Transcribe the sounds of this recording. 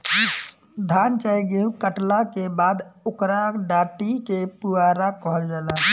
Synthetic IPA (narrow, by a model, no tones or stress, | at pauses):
d̪ʱaːnt͡ʃəjɡeũkəʈlakebaːd̪ʊkɾakɖaːʈikepuaɾakɔɦəld͡ʒaːla